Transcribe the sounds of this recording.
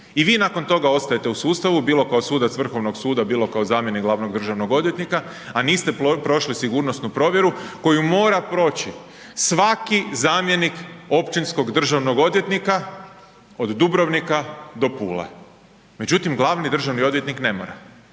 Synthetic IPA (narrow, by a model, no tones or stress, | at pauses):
iʋiːnako̞nt̪o̞ɡao̞t̪st̪ajet̪e̞usuːst̪aʋubiːlˠo̞kaosuːd̪at̪sʋr̩xo̞ʋnoɡsuːd̪abiːlˠo̞kaozaːmje̞niɡlˠaʋno̞ɡ̚d̪r̩ʒaʋno̞ɡo̞d̪ʋje̞t̪nika | aniːst̪e̞pɾo̞ʃlisiɡuːɾnost̪nupɾo̞ːʋje̞ɾuko̞jumo̞ːɾapɾo̞ːt͡ɕi | sʋakizaːmje̞niko̞pt͡ʃinsko̞ɡd̪r̩ʒaʋnoɡo̞d̪je̞t̪nika | o̞d̪ːubɾoʋnikad̪o̞pṵːlḛ | me̞d͡ʒut̪imɡlˠaʋnid̪r̩ʒaʋnio̞d̪ʋje̞t̪nikne̞mo̰ɾa̰